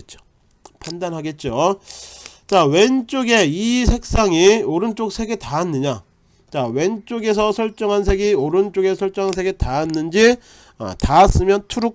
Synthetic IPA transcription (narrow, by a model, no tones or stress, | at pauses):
t̚t͡ɕ͈o̥ | pʰandanɦaɡe̞t̚t͡ɕ͈o | t͡ɕawe̞nt͡ɕ͈oɡe̞isʰe̞k̚s͈aŋioɾɯnt͡ɕ͈ok̚sʰe̞ɡe̞taːnːɯɲa | t͡ɕawe̞nt͡ɕ͈oɡe̞sʰʌsʰʌɭt͡ɕ͈ʌŋɦans̬ʰe̞ɡioɾɯnt͡ɕ͈oɡe̞sʰʌɭt͡ɕ͈ʌŋɦans̬ʰe̞ɡe̞taːnːɯnd͡ʑi | a̰taːs͈ɯmjʌntʰuɾu